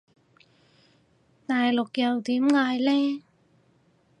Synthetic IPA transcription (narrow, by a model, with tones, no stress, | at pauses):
t̪aː˨jlʊ˨k̚jɐ˨wt̪iː˨˥mŋaː˧jlɛː˥